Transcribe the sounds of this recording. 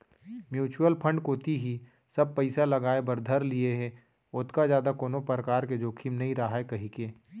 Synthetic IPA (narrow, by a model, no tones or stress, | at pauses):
mjuːt͡ʃuəlpʰə̃ɳɖkoːt̪iɦi | sɐb̚pəɪsalɐɡaːebɐɾd̪ʱəɾlieɦɛ̃ | ʊt̪kazjaːd̪akoːnopɾəkaːɾked͡ʒoːkʰiːmnɐɦĩɾaɦaekɐɦikeː